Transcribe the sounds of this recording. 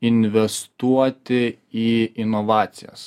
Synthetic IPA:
ɪnʲʋʲɛst̪uɔt̪ʲɪiːɪnɔʋɑːt̪sʲɪjɛ̰s

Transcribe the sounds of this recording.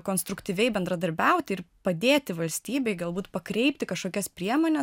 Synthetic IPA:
koːnst̪ɾʊkt̪ʲiːʋʲɛɪbʲɛnd̪ɾɐd̪ɐɾʲbʲɛʊt̪ʲɪɪɾpɐd̪ʲeːt̪ʲɪʋɐlʲsʲt̪ʲiːbʲɛɪɡɐlˠbuːt̪pɐkɾʲɛɪpʲt̪ʲɪkɐʃkoːkʲɛspʲɾʲiɛmoːnʲɛ

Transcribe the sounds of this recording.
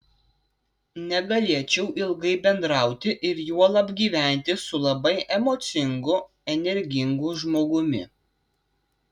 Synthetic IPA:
nʲɛɡɐlʲiɛt͡ʃʲɛʊʔɪlˠɡɐɪbʲɛnd̪ɾɑˑʊt̪ʲɪʔɪɾjuɔlˠɐbʲɡʲiːʋʲæˑnʲt̪ʲɪsʊlˠɐbɐɪʔɛmoːt̪sʲɪŋɡʊ | ɛnʲɛɾʲɡʲɪŋɡuʒmoːɡʊmʲɪ̰

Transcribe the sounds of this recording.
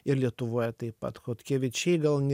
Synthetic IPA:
ɪɾlʲiɛt̪ʊʋoːjɛt̪ɐɪpɐ̰t̪xoːt̪ʲkʲeːʋʲɪt͡ʃʲɛɪɡɐlˠnʲ

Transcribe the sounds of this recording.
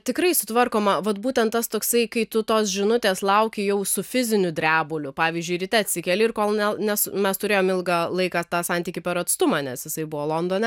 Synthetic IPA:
t̪ʲɪkɾɐɪsʊt̪ʋɐrkoːmɐʋɐt̪buːt̪ʲɛnt̪t̪ɐst̪oːksɐɪkɐɪt̪ʊt̪oːsʒʲɪnʊt̪ʲeːslˠɐʊkʲɪjɛʊsʊfʲɪzʲɪnʲʊd̪ʲɾʲæːbʊːlʲʊpɑːʋʲiːzʲd͡ʒʲʊɪɾʲɪt̪ʲɛɐt̪ʲsʲɪkʲɛlʲɪɪrkoːlˠnʲɛnʲɛsmʲɛst̪ʊɾʲeːjoːmɪlˠɡɑlˠɐɪkɑt̪ɑːsɑnʲt̪ʲiːkʲɪpʲɛɾɐt̪st̪ʊmɑnʲɛsjɪsɐɪbʊʋoːlˠoːnd̪oːnʲɛ

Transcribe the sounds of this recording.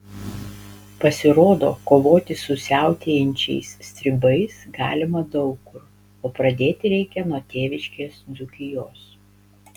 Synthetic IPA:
pɐsʲɪɾoːd̪o̰ːkoːʋoːt̪ʲɪsʊsʲæˑʊt̪ʲeːjɛnʲt͡ʃʲɛ̰ɪsːʲt̪ʲɾʲɪbɐɪsɡɑ̰ːlʲɪmɐd̪ɐʊkːʊɾ | oːpɾɐd̪ʲeːt̪ʲɪɾʲɛɪkʲɛnuɔt̪ʲeːʋʲɪʃʲkʲeːsd̪zʊkʲɪjoːs

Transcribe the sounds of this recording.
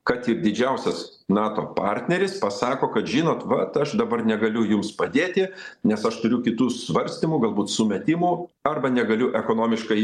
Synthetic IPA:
kɐt̪ird̪ʲɪd͡ʒʲɛʊsʲɛs | nɑːt̪oːpɑːrʲt̪ʲnʲɛɾʲɪspɐsɑːkoːkɐt̪ʒʲiːnoːt̪ʋɐt̪ɐʃd̪ɐbɐrnʲɛɡɐlʲʊjʊmspɐd̪ʲeːt̪ʲɪnʲɛsɐʃt̪ʊɾʲʊkʲɪt̪uːsʋɐɾʲsʲt̪ʲɪmuːɡɐlˠbuːt̪sʊmʲɛt̪ʲɪmuːɐrbɐnʲɛɡɐlʲʊʔɛkoːnoːmʲɪʃkɐɪ

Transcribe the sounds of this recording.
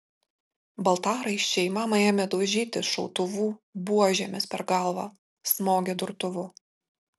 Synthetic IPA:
bɐlˠt̪ɑːɾɐɪt͡ʃʲt͡ʃʲɛɪmɑːmɐeːmʲɛd̪ɔʒʲiːt̪ʲɪʃɔʊt̪ʊʋuːbuɔʒʲɛmʲɪspʲɛɾɡɑlˠʋɑ̰ː | smoːɡʲed̪ʊɾt̪ʊʋʊ

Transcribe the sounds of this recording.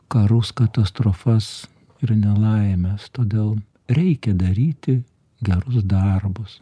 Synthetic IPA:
kɐɾʊskɐt̪ɐst̪ɾofɐs | ɪrnʲɛlˠɐɪmʲɛst̪oːd̪ʲeːlˠ | ɾʲɛɪkʲɛd̪ɐɾʲiːt̪ʲɪ | ɡʲɛɾʊsd̪ɐrbʊs

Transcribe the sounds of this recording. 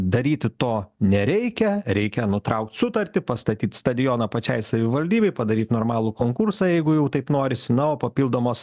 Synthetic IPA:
d̪ɐɾʲiːt̪ʲɪt̪oːnʲɛɾʲɛɪkʲɛɾʲɛɪkʲɛnʊt̪ɾɐʊk̚t̪sʊt̪ɐɾʲt̪ʲɪpɐst̪ɐt̪ʲiːt̪st̪ɐd̪ʲɪjoːnɐpɐt͡ʃʲɛɪsɐʋʲɪʋɐlʲd̪ʲiːbʲɛɪpɐd̪ɐɾʲiːt̪noːɾmɑːlˠukoːŋkʊrsɑːjɛɪɡʊjɛʊt̪ɐɪpnoːɾʲɪsʲɪnɐoːpɐpʲiːlˠd̪oːmoːs

